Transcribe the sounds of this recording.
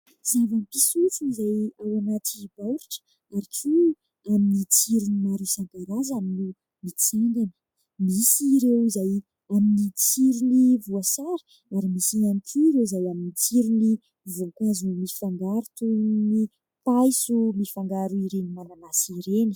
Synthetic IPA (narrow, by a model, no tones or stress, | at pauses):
z̥avanipisut͡siizajawanat̪ibawɾiʈ͡ʂə̥ | aɾikʰu | aminit͡siɾunimaɾisaŋt̪aɾazaminu | mit͡seŋɡ̪anə̥ | misiɾewzaj | aminit͡siɾunivuasaɾə̥ | aɾimisianikʲʰuiɾewzajaminit͡siɾini | vuakazumifaŋɡaɾut̪uni | pajsumifaŋɡaɾuiɾenimalanasiɾeni̥